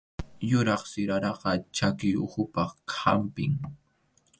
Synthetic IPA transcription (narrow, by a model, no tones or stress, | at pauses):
jʊɾɑχsɪɾaɾɑqɑt͡ʃakɪjʊ̰xʊpɑkʰampɪ̰ŋ